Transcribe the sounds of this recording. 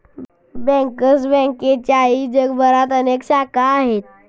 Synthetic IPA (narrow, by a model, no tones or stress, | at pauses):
bɛ̃ŋkəsbɛ̃ŋket͡ɕaɦid͡ʑəɡbəɾat̪ənekɕakaːɦet̪̚